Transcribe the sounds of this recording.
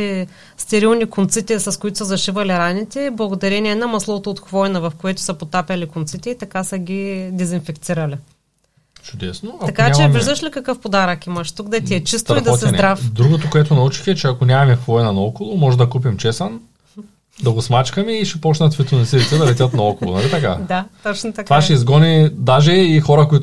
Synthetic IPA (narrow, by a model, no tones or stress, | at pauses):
ɛ | st̪ɛɾilˠnikʊnt̪sit̪ɛsɐskoit̪ʊ̥səzɐʃivɐliɾanit̪ɛblˠɐɡod̪ɐɾɛnʲiɛnɐmɐslˠɔt̪oːt̪xvɔjnɐvɐfkoɛt̪ʊ̥sɐpot̪apʲɐlikʊnt̪sit̪ɛit̪ɐkasɐɡʲid̪ɛzinfɛkt̪siɾɐli | t͡ʃʊd̪ɛsnoak̪t̪ɐkaɲat͡ʃamɛmviʒd̪ɐʃlikɐkəfpod̪aɾɐkiməʃt̪uɡd̪ɐt̪iɛt͡ʃist̪ɾɐid̪ɔt̪ɛnɛd̪ɾafd̪ɾuɡot̪okoɛt̪ʊnɐut͡ʃi̥xɛt͡ʃɛakonʲamɐmɛxvɔjnɐnɐɔkolˠomɔʒɛd̪ɐkup̬imt͡ʃɛsɐn | d̪ɐɡosmat͡ʃkɐmiːʃɛpɔt͡ʃnɐt̪vit̪onɐsilit̪sɛd̪ɐlɛt̪ʲət̪nɐɔkolˠo̰nɐlit̪ɐka̰d̪at̪ɔt͡ʃnot̪ɐk̪vaʃɛizɡɔnid̪aʒɛixɔɾɐkoit̪